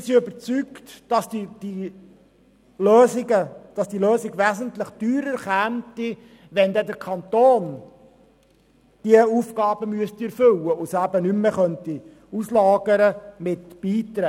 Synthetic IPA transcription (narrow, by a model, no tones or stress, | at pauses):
ɪsiøbəɾt͡syktd̥ɑsdid̥i | løːziɡəd̥ɑsd̥iløːsiɡʋæzənt̪ləχd̥yːɾəɾχæːmti | ʋɛnd̪ɛd̪əɾkʰɑnt̪oːn | d̥iəufɡɑːb̥əmyəst̪iɛɾfʏlːəʊsæbənymːeχœnt̪i | uslɑːɡ̥əɾəmɪt̪b̥iːt̪ɾæː